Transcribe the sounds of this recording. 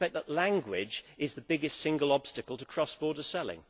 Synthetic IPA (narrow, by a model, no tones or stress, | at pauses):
ɛk̚ðəʔlæ̃ŋɡwɪd͡ʒɪzðəbɪɡɪstsɪ̃ŋɡəlˠɒb̥stɨkəlˠtʰəkʰɹ̥ɒsb̥ɔːdəsɛlˠɪ̰̃ŋ